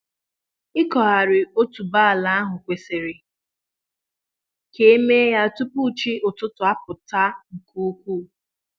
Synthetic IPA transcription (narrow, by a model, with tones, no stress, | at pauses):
ɪ˦kɔ˨ɦa˨ɾɪ˨o˦tu˨ba˦a˨la˦a˦ɦʊ˨kʷe˨se˨ɾɪ˨ | ke˦e˦me˦ja˦tu˦pu˦˨t͡ʃi˦ʊ˨tʊ˦tʊ˨a˦pʊ˨ta˦ŋ̩˨ku˦u˦kʷuː˦˨